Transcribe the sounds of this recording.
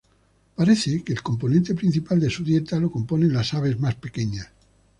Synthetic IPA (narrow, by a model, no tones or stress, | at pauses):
paɾeθekeːlko̞mp̬o̞nẽnt̪e̞pɾin̟θipald̪e̞suðje̞t̪alo̞ko̞mpo̞nenlasaβe̞zmaspekeɲas